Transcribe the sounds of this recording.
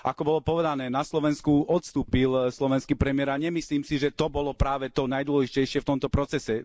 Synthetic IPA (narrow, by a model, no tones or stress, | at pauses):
ʔakɔbɔlɔpɔʋɛd̪anɛːnaslɔʋɛnskuʔɔt̪st̪uːpilslɔʋɛnskiːpɾɛmɪɛɾaɲɛmisliːmsiʒɛt̪ɔbɔlɔpɾaːʋɛt̪ɔnajd̪ʊɔlɛʒicɛjʃɪɛft̪ɔmt̪ɔpɾɔt͡sɛsɛ